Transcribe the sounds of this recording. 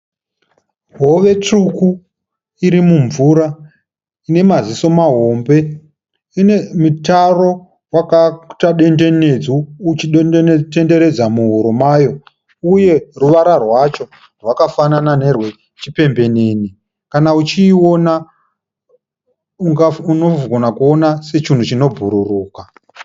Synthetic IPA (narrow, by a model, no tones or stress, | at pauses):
ɦo̞ʋe̞t͡ʂuku | iɾimuɱvuɾa | ine̞maziso̞maɦo̞mbe̞ | ine̞mutaro̞ | wakataɗe̞nde̞ne̞d͡zuːt͡ʃiɗte̞nde̞ɾe̞d͡zamuɦuɾomajo̞ | uje̞ruʋaɾarwat͡ʃo̞ | rwakafananane̞rwe̞ | t͡ʃipe̞mbe̞neni | kanaut͡ʃiːona | uŋaunoɡʱo̞nakuo̞nase̞t͡ʃin̤ut͡ʃino̞bʱuɾuruːka